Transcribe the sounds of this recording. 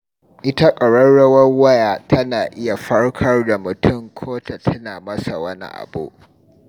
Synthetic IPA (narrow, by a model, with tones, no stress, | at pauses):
ʔɪ˦ta˦kʼɐ˨ɽɔ˦ɽɐ˦wɐ˦rwɐ˦jaː˨tɐ˦naː˨ʔɪ˦ja˨ɸɐ˦ɽkʰɐ˦rda˨mʊ˨tʊ˦˨ŋkʰoː˦ta˨tʰɐ˦naː˨mɐ˦sa˨wɐ˦nḭ˦ʔa̰˨bṵ˦ʔ